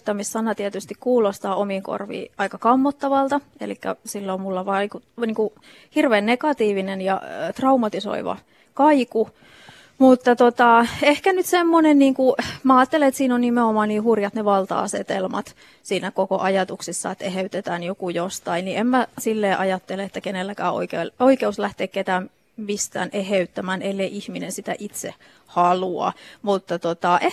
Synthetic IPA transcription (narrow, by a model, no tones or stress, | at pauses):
t̪ɑmissɑnːɑt̪iæt̪yst̪ikkuːlost̪ɑːomiːŋko̰rʋḭːʔɑikɑkɑmːot̪ːɑʋɑlt̪ɑḛlikːæ̰silːomulːɑʋɑikut̪niːŋku | hirʋeːnnekɑt̪iːʋinenjɑ̰t̪rɑumɑt̪iso̰ḭʋɑ̰ | kɑiku | mut̪ːɑt̪ot̪ɑehkænyt̪semːonenniːŋkumæɑːt̪ːeleet̪siːnonnimeomɑːniːhurjɑt̪neʋɑlt̪ɑ̰ɑ̰set̪elmɑ̰t̪ | siːnækokoʔɑjɑt̪uksisːɑ̰et̪ːeheyt̪et̪æːnjokujost̪ɑinniemmæsilːeːʔɑjɑt̪ːeleet̪ːækenelːækæːo̰ikeːloikeuslæht̪eːkket̪æːm | mist̪æ̰ːneheyt̪ːæmæːnelːeiʔihminensit̪æʔit̪sḛ | hɑluɑ̰mut̪ːɑt̪ot̪ɑʔe